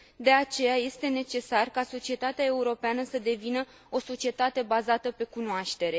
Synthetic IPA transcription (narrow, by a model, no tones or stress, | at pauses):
d̪e̞at͡ʃe̞jaje̞st̪e̞ne̞t͡ʃe̞sarkaso̞t͡ʃie̞t̪at̪eae̞uɾo̞peanəsəd̪e̞vinə | o̞so̞t͡ʃie̞t̪at̪e̞bazat̪əpe̞kunoaʃt̪e̞ɾe̞